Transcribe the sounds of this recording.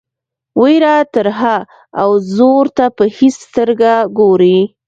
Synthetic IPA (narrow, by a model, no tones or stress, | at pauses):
wiɾɑt̪əɾɦa | awzoɾt̪apəhist̪əɾɡaɡoɾi